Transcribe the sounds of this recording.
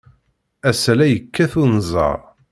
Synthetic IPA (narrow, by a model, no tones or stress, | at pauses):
æslæjəkʰːæθunzˤɑ̰ɾˤ